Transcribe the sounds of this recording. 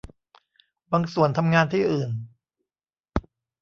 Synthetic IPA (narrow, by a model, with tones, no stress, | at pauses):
baː˧ŋsu˨˩ənt̪ʰa˧mŋaː˧nt̪ʰiː˥˩ʔɯː˨˩n